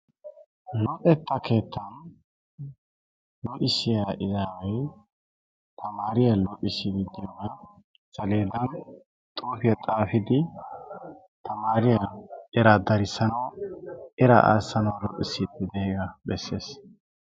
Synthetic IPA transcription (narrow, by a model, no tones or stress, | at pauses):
lɔʔɛt̪ʰːɐkʰe̞ːt̪ʰːɐn | lɔʔɪsɪjaʔɪzaːwɛj | t̪ʰɐmaːɾɪjalɔʔʼɪsɪd̪ɪd̪ɪjɔnɐ | z̥ɐleːd̪ɐn | t̪ʼuːfɪjɐt̪ʼaːfɪd̪ɪ | t̪ʰɐmaːɾɪjaʔɛɾad̪ɐɾɪsːɐnɐwʔɛɾɐ̰ʔa̰ːsːɐnɐwlɔ̰ʔʼɪsɪd̪ɪd̪ɛeːɡɐbɛsːe̞ːs